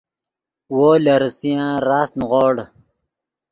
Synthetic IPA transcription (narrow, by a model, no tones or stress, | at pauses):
woːlɐɾsijãɾaːsnʁoːɽ